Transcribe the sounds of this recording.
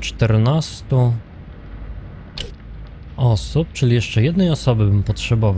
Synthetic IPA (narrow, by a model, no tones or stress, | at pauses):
t͡ʂt̪ɛɾnast̪u | ɔsup̚t͡ʂɘlʲijɛʂt͡ʂɛjɛd̪nɛjɔsɔbɘbɘmpɔtʂɛbɔva